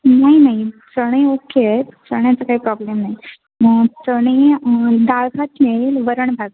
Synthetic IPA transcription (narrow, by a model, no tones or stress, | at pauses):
naɦinaɦit͡səɽ̃eokeɛt͡səɳ̃jat͡sakaɦiːpɾɔblemnai | ət͡səɽ̃ed̪aɭkʰat̪meɭelʋəɾəɳ̃bʱaɡ